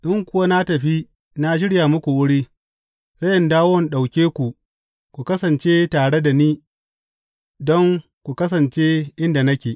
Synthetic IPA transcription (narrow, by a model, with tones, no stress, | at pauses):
ɗɪ˦ŋkʷʊ˦wa˦na˦tɐ˨ɸi˦ | na˦ʃ̬ɪ˦ɽjaː˨mʊ˦kʷu˨wʊ˦ɽiː˦ | sɐ˦jʔɪ˨ndaː˦wwɔ˨nɗa˨wkʲeː˦kʷu˨ | kʷu˨kɐ˦sɐ˨nt͡ʃe˦taː˨ɽe˦da˨niː˦ | dɔ˦ŋ | kʷu˨kɐ˦s̬ɐ˨nt͡ʃe˦ʔɪ˦nda˨nɐ˦kʲeː˨ʔ